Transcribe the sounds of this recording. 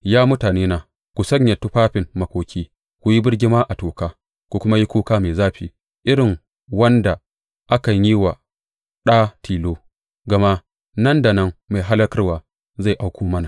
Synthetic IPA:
jaː˦mʊ˦taː˨neː˦naː˨ | kʷu˨sɐ˦ɲja˨tu˦ɸaː˦ɸɪ˨mmɐ˨kʷoː˨kʲiː˦ | kʷu˨ji˦bɪ˦ɽɡʲɪ˦maː˦ʔa˨toː˨kaː˦ | kʷu˨kʷʊ˦ma˦ji˦kʷoː˦kaː˦meː˨zaː˦ɸiː˨ | ʔɪ˦ɾɪ˨ŋ | wɐ˦nda˨ | ʔa˦kɐ˨ɲjiː˦wa˨ | ɗaː˦tʰiː˨loː˦ | ɡɐ˨ma˦ | nɐ˦nda˨nɐ˦ŋma˨ɦa˦lɐ˦kɐ˦rwaː˨ | za˦˨ʔa˦wkʷoː˦mɐ˦na˨

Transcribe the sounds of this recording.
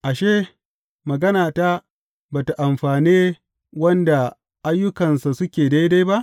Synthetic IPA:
ʔa˨ʃeː˦ | mɐ˨ɡɐ˦naː˨ta˦ | baː˨ta˨ʔa˨mɸaː˨niː˦ | wɐ˦nda˨ | ʔa˦jːʊ˦kɐ˨nsa˨sʊ˦kʲeː˨da˦jda˦jba˦ʔ

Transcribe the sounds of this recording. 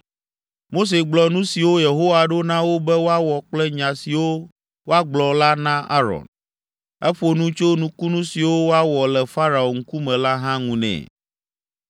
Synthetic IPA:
mo˦s̬e˨ɡ͡blɔ˨nũ˦si˨wo˦je˨ɦo˦wa˨ɖo˦nã˦wo˦bɛ˦wo˦a˦wɔ˨k͡plɛ˦ɲã˨si˨wo˦ | wo˦a˦ɡ͡blɔ˨la˦nã˦ʔa˦ɾɔ̰˨n | ɛ˦ɸo˨nũ˦t͡ʃo˦nũ˦ku˦nũ˦si˨wo˦wo˦a˦wɔ˨lɛ˨fa˦ɾa˨o˨ŋ̩˦ku˦mɛ̃˨la˦ɦã˦ŋũ˨nɛ̰̃˨

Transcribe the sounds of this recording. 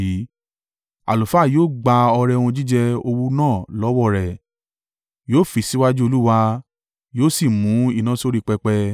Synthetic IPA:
i˨˦ | a̰˨lo˨fa˨˦˨joː˦˨ɡ͡ba˧ɔ˧ɾɛ˧wũ˧d͡ʒi˦d͡ʒɛ˧o˧wu˦nãː˦˨lɔ˨˦wɔ˦˨ɾɛ˨ | joː˦˨fi˨si˦wa˦d͡ʒu˦o˧lu˦wa˧ | joː˦si˦˨mũ˨˦i˦˨nã˨˦so˦ɾi˦˧k͡pɛ˧k͡pɛ˧

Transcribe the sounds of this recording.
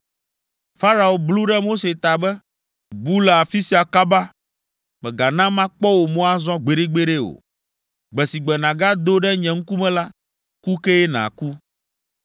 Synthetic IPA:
fa˦ɾa˨o˨blu˦ɖɛ˦mo˦se˨t̪a˨bɛ˦ | bu˦la˨a˨fi˦si˨˦a˨ka˦ba˦ | mɛ̃˨ɡa˨nã˦mã˦k͡pɔ˦wo˨mõ˦a˦zɔ̃˦ɡ͡be˨ɖe˦ɡ͡be˦ɖe˦o̰˨ | ɡ͡bɛ˨si˨ɡ͡bɛ˨nã˨ɡa˦d̪o˦ɖɛ˦ɲɛ̃˨ŋ̩˦ku˦mɛ̃˦la˦ | ku˦kɛ˦ɛ˦nã̰˨ku˦

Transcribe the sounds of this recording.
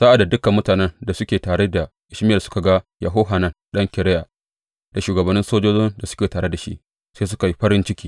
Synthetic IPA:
sa˦ʔa˨da˨dʊ˦kɐ˨mːʊ˦taː˨nɛ˦nda˨sʊ˦kʲeː˨taː˨ɽe˦da˨ | ʔɪ˦ʃmɪ˦jɐ˨sʊ̥˦ka˨ɡa˦jʔɐ˨ɦo˦ɦa˨nɐ˦nɗɐ˦ŋkʲɪ˨ɽɛ˦ja˨ | d̥a˨ʃuː˨ɡɐ˨bɐ˨nːɪ˦nsoː˦d͡ʒoː˦d͡ʒɪ˦nda˨sʊ̥˦kʲeː˨taː˨ɾe˦da˨ʃḭ˦ʔ | seː˦s̬ʊ˦ka˨ji˦ɸɐ˦ɾɪ˦nt͡ʃɪ˦kʲiː˦

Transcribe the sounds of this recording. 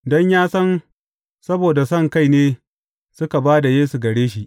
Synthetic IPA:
dɔ˦ɲjaː˦sɐ˦n | sɐ˦boː˨da˨sɐ˦˨ŋka˦˨jneː˦ | sʊ˦ka˨baː˦da˨jeː˦su˨ɡɐ˨ɽeː˦ʃi˦ʔ

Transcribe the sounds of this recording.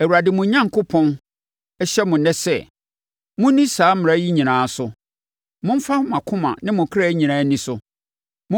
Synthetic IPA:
æ˨wu˨ɾa˨dɪ˨mʊ̃˨˦ɲã˦ŋkʰʊ˦pʰɔ̃˦n | ɛ˦ɕɛ˦mʊ̃˨nɛ̃˦sɛ̰˦ | mʊ̃˦nĩ˦saː˨˦m˨ɾa˦ji˦ɲĩ˨nãː˨˦sʊ˨ | mʊ̃˦m̩˦fa˦hʊ̃˦mã˨kʰʊ̃˦mã̰˨nɪ̃˦mʊ̃˨kʰɪ˦ɾa˦ɲĩ˨nãː˨˦nĩ˦sʊ˦ | mʊ̃˦

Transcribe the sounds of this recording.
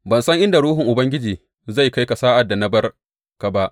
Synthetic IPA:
bɐ˨nsɐ˦ŋʔɪ˦nda˨ɽuː˦ɦʊ˨ŋʔʊ˨bɐ˦ŋɡʲɪ˦d͡ʒiː˨ | za˦˨jka˦jka˨saː˦ʔa˨dːa˨na˦bɐ˦r | ka˨ba˦ʔ

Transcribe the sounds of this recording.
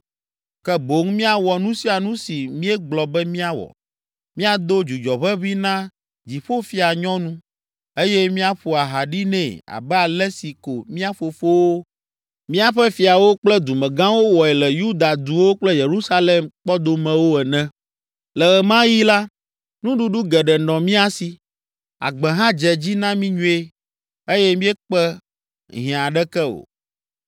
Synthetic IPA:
kɛ˦bo˨˦ŋmĩ˦a˨wɔ˨nũ˦si˦a˨nũ˦si˨mĩ˦ɛ˦ɡ͡blɔ˨bɛ˦mĩ˦a˦wɔ̰˨ | mĩ˦a˨d̪o˦d͡ʒu˨d͡ʒɔ˨βɛ˦βi˦nã˦ | d͡ʑi˨ɸo˦fi˦a˨ɲɔ̃˦nũ˦ | e˦jɛ˦mĩ˦a˦ɸu˨a˨ɦa˨ɖi˦nɛ̰̃˦˨a̰˨bɛ˦a˨lɛ˦si˨ko˨mĩ˦a˦ɸo˨fo˦wo˦ | mĩ˦a˦ɸɛ˦fi˨a˨wo˦k͡plɛ˦d̪u˨mɛ̃˨ɡã˦wo˦wɔ˨ɛ˨lɛ˨ju˦d̪a˨d̪u˨wo˦k͡plɛ˦je˨ɾu˦sa˦le˨mk͡pɔ˦d̪o˨mɛ̃˨wo˦ɛ˨nɛ̃˦ | lɛ˨ɣɛ˨mã˦ji˦la˦ | nũ˦ɖu˦ɖu˦ɡɛ˨ɖɛ˨nɔ̃˨mĩ˦a˨si˨ | a̰˨ɡ͡bɛ̃˨ɦã˦d͡ʒɛ˨d͡ʑi˦nã˦mĩ˦ɲũ˦e˦ | e˦jɛ˦mĩ˦ɛ˦k͡pɛ˦ | ɦĩ˨a˨ɖɛ˦kɛ˦o̰˨

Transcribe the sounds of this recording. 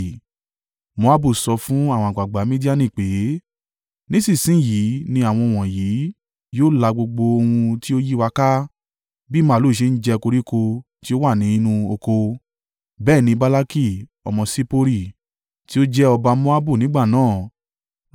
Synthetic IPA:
mo˧˦a˦bu˦˨sɔ˧fũ˦a˦˨wɔ̃˧˨ɡ͡ba˨ɡ͡ba˨˦mĩ˦di˦a˦˨nĩ˦˨k͡pe˨˦ | nĩ˦sĩ˦˨sĩ˦ji˨˦nĩ˧a˦˨w̃ɔ̃˧˨w̃ɔ̃˨jiː˨˦ | joː˦la˧ɡ͡bo˧ɡ͡bo˧o˧hũ˧ti˦o˦ji˦wa˧ka˦ | bi˦mã˦˨lo˨˦˨ʃ̬e˧˦n̩˦d͡ʒɛ˧ko˧ɾi˦ko˧ | ti˦o˦wa˦˨nĩ˨˦i˧nũ˧o˧ko˧ | bɛː˦˨nĩ˧ba˦la˦ki˦˨ɔ̰˧mɔ̃˧si˦po˦ɾi˦˨ | ti˦o˦d͡ʒɛ˦ɔ˧ba˧mo˦a˦bu˦˨nĩ˨˦ɡ͡ba˦˨nãː˦˨

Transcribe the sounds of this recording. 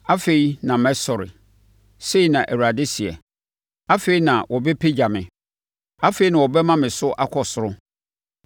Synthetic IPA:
a˦fe˨i˦nã˨mɛ̃˦sɔ˨ɾɪ̰˨ | se˦i˨˦nã˨ʔɛ˨wu˨ɾa˨de˦si˨ɛ̰˨ | a˦fe˦i˦nã˨wɔ˨be˦pʰe˦d͡ʑa˨mɪ̃˨ | a˦fe˨˦i˦nã˨wɔ˨bɛ˦mã˦mɪ̃˨sʊ˦ʔa˦kʰɔ˨sʊ˨ɾʊ˦

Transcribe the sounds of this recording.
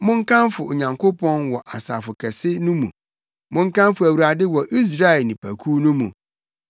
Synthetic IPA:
mʊ̃˦ŋ˦kʰã˦nfʊ˨o˨ɲã˨ŋkʰo˦pʰɔ̃˦nwɔ˨ʔa˨sa̰˨fʊ˨kʰɛ˨sɪ˦nũ˦mũ˨ | mʊ̃˦ŋ˦kã˦nfʊ˨æ˨wu˨ɾa˨dɪ˦wɔ˨ʔi˦s̬ɾa˦ɛ˨lnĩ˨pʰæ˨kʰu˦nʊ̃˦mṵ̃˨

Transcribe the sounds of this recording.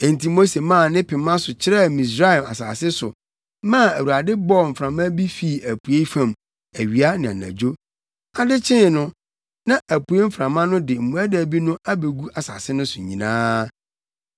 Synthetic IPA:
ẽ˨n˨ti˦mo˦se˨mãː˦˨nɪ̃˦pʰɪ˨mã˦sʊ˨t͡ɕʰɪ˦ɾɛ˦mĩ˨s̬ɾa˦˨ma̰˨saː˨sɪ˦sʊ̰˨ | mã˦˨æ˨wu˨a˨dɪ˦bɔ˦˨m̩˨fɾã˨mã˦bi˦fi˨æ˨pʰu˨e˦fã˨m | æ˨ɥi˨a˦nɪ̃˨a̰˨nã̰˨d͡ʑo˦ | a˨dɪ˦t͡ɕʰɪ̃˦˨nʊ̃˦ | nã˦ʔæ˨pu˨˦e˦m̩˦fɾã˨mã˦nʊ̃˦dɪ˨m̩˨mũ˨æ˦dæ˨bi˦nʊ̃˦a˦be˨ɡu˦ʔa˨sa̰ː˨sɪ˦nʊ̃˦sʊ˨ɲḭ̃˨nã̰ː˦

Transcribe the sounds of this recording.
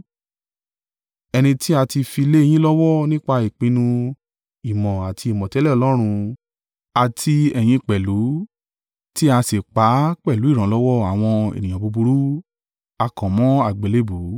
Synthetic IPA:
ɛ˧nĩ˧ti˦a˧ti˧fi˧le˦e˧˦j̃ĩ˦lɔ˦wɔ˦nĩ˦k͡pa˧i˨k͡pĩ˧nũ˧ | i˨mɔ̃˨a˨tʰi˧i˨mɔ̃˨tɛ˨˦lɛ˦˨ɔ˨lɔ˦ɾ̃ũ˧ | a˨tʰi˧ɛ˨j̃ĩ˧k͡pɛ˨lu˨˦ | ti˦a˧se˨k͡pa˨˦k͡pɛ˦˨lu˨˦i˦˨ɾ̃ã˨˦lɔ˦wɔ˦a˨w̃ɔ̃˧ḛ˨nĩ˨j̃ã˨bu˧bu˧ɾu˦ | a˧kɔ̃˨mɔ̃˨˦a˦˨ɡ͡be˨le˦bu˨˦

